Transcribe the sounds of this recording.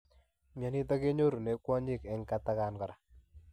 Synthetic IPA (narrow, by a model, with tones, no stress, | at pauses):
mja˨ni˦t̪ɔ˦ke˦ɲo˦ɾu˨ne˨kwɔ˦ɲi˦kɛ˨˦ŋka˦t̪a˦ka˨nkɔ˨ɾa˨